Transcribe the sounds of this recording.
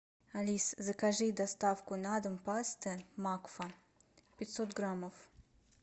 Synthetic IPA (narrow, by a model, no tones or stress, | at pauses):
alʲiszəkaʐɨd̪ɐst̪afkʊnad̪ɨmpast̪ɨmakfɐ | pʲɪt̪ʲsot̪ɡɾamof